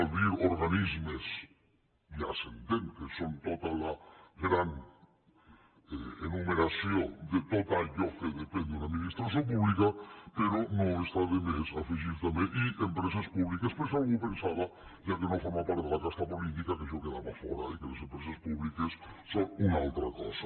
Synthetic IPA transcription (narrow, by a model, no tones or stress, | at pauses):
aβiɾoɾɣanizmes | ja̰sent̪enkesont̪ot̪alaɣɾan | eḛnumeɾasjod̪et̪ot̪aʎofeðepend̪unaminist̪ɾas̬jop̬uβlikapeɾonoest̪aðemesafiʒiɾt̪ameʔiʔempɾes̬espuβlikespeɾsaupensaβaʒakenofoɾmapaɾt̪elakast̪apolit̪ikakeʒokeðaβafɔɾa̰ikelesempɾesespuβlikesːonunalt̪ɾakɔ̰sḁ